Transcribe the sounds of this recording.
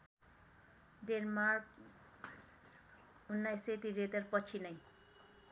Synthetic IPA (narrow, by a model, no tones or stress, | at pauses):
d̪eɾmar | unːajset̪iret̪ʌrpʌt͡sʰinʌj